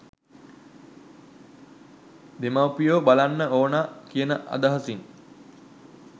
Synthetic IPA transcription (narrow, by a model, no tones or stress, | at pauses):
d̪emawpijoːbalanːəoːnaːkijənəʔa̰d̪əɦəsin